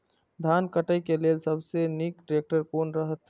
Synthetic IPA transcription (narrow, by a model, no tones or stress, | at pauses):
d̪ʱankəʈəjkelelsəbsenikʈɾek̚ʈəɾkoːnɾəɦət̪ː